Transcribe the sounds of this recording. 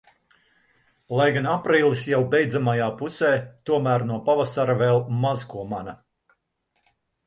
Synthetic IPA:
lˠajɡanapɾiːlˠisjawbɛjd̪zamajaːpusɛːt̪uɔmæːɾnuɔpavasaɾavɛlˠmazkuɔmana

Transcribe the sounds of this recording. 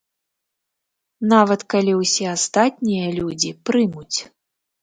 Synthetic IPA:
navɐt̪kalʲiwsʲɛast̪at̪̚ʲnʲijɐlʲud͡zʲipɾɨmut͡sʲ

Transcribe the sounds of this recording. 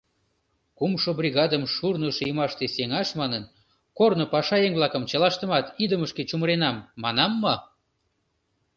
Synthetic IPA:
kumʃobrʲiɣɑd̪əmʃurnəʃjəmɑʃt̪eseŋɑʃmɑnən | kornopɑʃɑeŋβlɑkəmt͡ɕəlɑʃt̪ə̆mɑt̪id̪əməʃket͡ɕuməɾenɑmːɑnɑmːo

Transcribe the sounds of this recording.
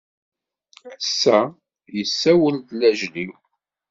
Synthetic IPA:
ʕəsːæ | jəsːæwəld̪læʒniw

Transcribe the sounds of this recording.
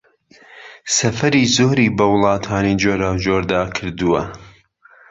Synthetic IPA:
sɐfɐɾiːzoːɾiːbɐwʊlˠɑːt̪ʰaːnid͡ʒoːɾaːwd͡ʒoːɾd̪aːkʰɨɾd̪uwɐ

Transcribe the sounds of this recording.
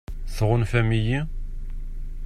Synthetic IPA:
θʁʊnfæmiji

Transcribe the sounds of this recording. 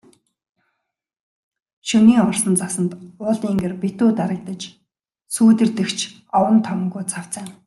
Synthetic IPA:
ʃuniːɔrsə̆nt͡sasə̆nt̪ʊːɮt̪iːŋɡerpet̪uːt̪aɾə̆kt̪ə̆t͡ɕ | suːt̪ɘ̆rt̪ɘ̆kt͡ɕʰ | ɔwə̆nt̪ʰɔm̆ŋɡuːt͡sʰaw̥t͡sæ̆ːn

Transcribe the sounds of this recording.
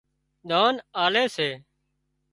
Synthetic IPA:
ɗ̪aːnaːleːseː

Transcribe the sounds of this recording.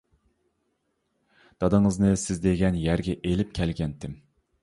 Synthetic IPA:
d̪̥ɑd̪ɨŋɨznɨsɪzd̪eɡʲɛnjæɾɡʲɛʔelɪp̚kʲʰɛlɡʲɛnt̪ʰɪm

